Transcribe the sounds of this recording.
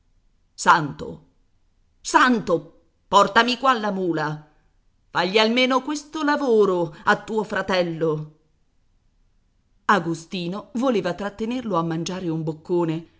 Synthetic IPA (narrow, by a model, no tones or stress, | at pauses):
sant̪o̰ | sant̪o | pɔrt̪amikwalːamuːla | faʎːialmeːnokwest̪olavoːɾoat̪ːuːofɾat̪ɛlːo | aɡost̪iːnovoleːvat̪ɾat̪ːenerloamːand͡ʒaːɾeumbokːoːne